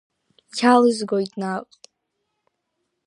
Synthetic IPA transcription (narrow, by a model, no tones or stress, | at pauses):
kʲʰalɨzɡojtʼnaqʼtʼ